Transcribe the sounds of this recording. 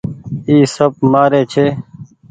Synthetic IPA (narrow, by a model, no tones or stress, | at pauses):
iːsəb̚maːɾeːt͡ʃʰeː